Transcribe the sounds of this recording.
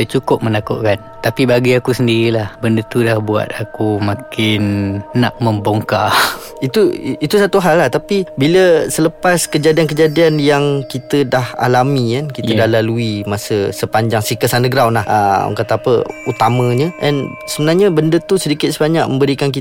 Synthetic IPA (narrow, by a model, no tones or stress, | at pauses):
t͡ʃukʊp̚mənakṵʔkan | t̪apibaɡiakusəndiɾilahbəndət̪udahbua̰t̪̚akumakɪnnaʔ̚məmboŋka | it̪uit̪usat̪uɦalːaht̪apibiləsələpaskəd͡ʒadiank̬əd͡ʒadianjaŋkit̪ədaha̰lamikankit̪ədahlaluimasəsəpaɲd͡ʒaŋsikəsanəɡɾawnlahʔə̰kat̪aːpəut̪amə̃ɲəʔɛ̰n | səbənaɲabəndət̪usədikɪt̪̚səbaɲak̚mə̃mbəɾikank̬i